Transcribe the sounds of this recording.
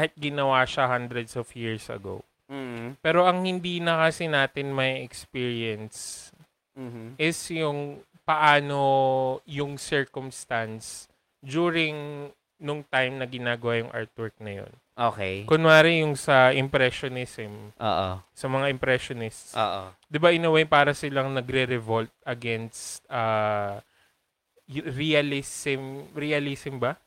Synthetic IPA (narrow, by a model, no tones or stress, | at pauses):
ahɪt̪̚ɡɪnɐwaːʃɐhand̪ɾɛd̪sɔfjiɹsʔɐ̰ɡo̰w | pɛːɾo̞ʔɐŋhɪnd̪iːnɐkɐsɪnaːt̪ɪnmɐɛkspiɹiɐns̩ | ʔɪsjʊŋ | pɐʔaːnojʊŋsɛɹkʊmst̪ɐns | d̪uːɹɪŋ | nʊŋt̪ajmnɐɡɪnaːɡɐwajʊŋʔa̰ɹt̪̚wɛɹk̚nɐjo̰n | ʔoːkejkʊnmaːɾɪjʊŋsɐʔɪmpɾɛʃonɪsɪmʔo̰ːʔo̰sɐmɐŋaʔɪmpɾɛʃonɪst̪so̰ːʔo̰ | d̪ɪbaʔɪnɐwajpaːɾɐsɪlɐŋnɐɡɾɛɾɛvolt̪̚ʔɐɡɛnst̪̚ɐː | ɾiɐlɪsɪmɾiɐlisɪmbɐ